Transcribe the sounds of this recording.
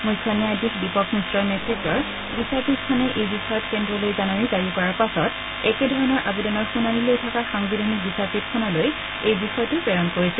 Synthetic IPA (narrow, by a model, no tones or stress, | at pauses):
mujkʰːɔniadikbipɔkmisɹɔɹnɛtʰɹikːɔɹ | bisapitkʰɔnɛʔejbisɔjɔtkɛndɹɔlojzanaɹikaɹikɔɹapasɔt | ɛkɛdʱɔɹɔnɔɹʔabidɔnɔɹxunanilojtʰɔkaxaŋbidʱanik̚bisapit̚kʰɔnaloj | ejbisɔjtupɹɛɹɔnkoɹisɛ